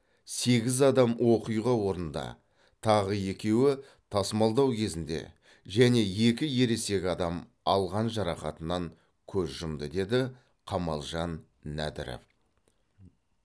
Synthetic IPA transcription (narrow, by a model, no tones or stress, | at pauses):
se̞ɡʲɪzɑd̪ɑmwʔo̞qəjʁɑwo̞ɾənd̪ɑ̰ | t̪ʰɑʁəje̞kʲe̞wɪ | t̪ʰɑsmɑlˠd̪ɑwkʲʰe̞zɪnd̪e̞̰ | ʒæne̞je̞kʲɪje̞ɾe̞se̞kʲɑd̪ɑm | ɑlˠʁɑnʒɑɾɑqɑt̪ənɑŋ | kʲʰɵzʒəmd̪əd̪e̞d̪ɪ | qʰɑmɑlˠʒɑnː | æ̰d̪ɪ̰ɾḛf